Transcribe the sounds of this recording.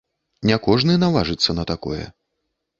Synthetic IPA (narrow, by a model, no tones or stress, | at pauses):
nʲɛkɔʐnɨnavaʐɨt̪sːɐnɐt̪akɔ̰jɛ̰